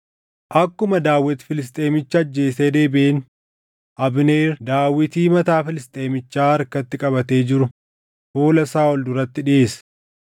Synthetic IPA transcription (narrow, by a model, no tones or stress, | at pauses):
ʔɐkːʊmɐd̪aːwːɪt̪fɪlɪs̬t̪ʼe̞ːmɪt͡ʃːɐːd͡ʒːe̞ːseːd̪e̞ːbeːn | ʔɐbneːɾd̪aːwːɪt̪iːmɐt̪aːfɪlɪst̪ʼe̞ːmɪt͡ʃːaːɐɾkɐt̪ːɪkʼɐbɐt̪e̞ːd͡ʒɪɾʊ | hoːlɐsaːɔld̪ʊɾɐt̪ːɪᶑɪʔe̞ːsɐ̥